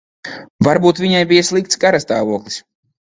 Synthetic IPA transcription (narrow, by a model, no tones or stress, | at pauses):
vaɾbuːt̪viɲajbijaslˠik̚t̪sɡaɾast̪aːvuɔklˠis